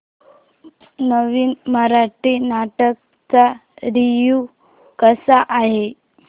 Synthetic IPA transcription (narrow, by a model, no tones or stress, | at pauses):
nəʋiːnməɾaʈiːnaʈək̚ | t͡saɾiju | kəsaʔaɦe